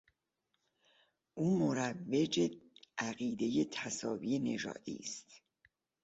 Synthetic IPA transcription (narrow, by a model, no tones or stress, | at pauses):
ʔuːmoɾævːe̞d͡ʒeʔæɣiːd̪e̞jet̪ʰæsɒːvije̞ne̞ʒɒ̰ːd̪̥ḭːst̪